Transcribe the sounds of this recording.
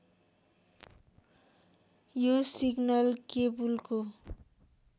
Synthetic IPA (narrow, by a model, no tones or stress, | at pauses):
josiɡnʌlkebulko